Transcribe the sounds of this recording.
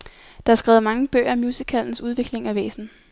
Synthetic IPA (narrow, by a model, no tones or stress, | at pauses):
d̥ɑ̈ɑsɡ̥ʁɛːʊmɑ̈ŋəb̥ø̰ːɐmjuːsikʰæln̩suð̞ˠʋe̝ɡ̥le̝ŋæʋḛːsn̩